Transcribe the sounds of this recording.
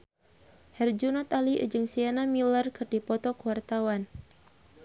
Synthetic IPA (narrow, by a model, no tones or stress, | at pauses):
hɛrd͡ʒunɔt̪aliʔd͡ʒɨŋsianamilərkɨrdipɔt̪ɔkuwart̪awan